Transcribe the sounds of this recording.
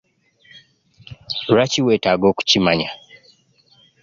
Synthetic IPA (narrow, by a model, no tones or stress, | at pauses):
ɾat͡ʃiwɛtaɡɔku̥t͡ʃimaɲa